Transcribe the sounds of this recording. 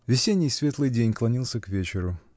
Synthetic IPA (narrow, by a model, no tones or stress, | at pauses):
vʲɪsʲenʲːɪjsʲvʲe̞t̪lˠɨjdʲenʲklˠɐnʲilˠsʲəkvʲet͡ɕɪɾʊ